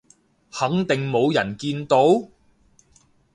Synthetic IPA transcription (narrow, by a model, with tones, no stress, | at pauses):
hɐ˨˥ŋt̪ɪ˨ŋmo˨˧wjɐ˨˩nkiː˧nt̪o˨˥w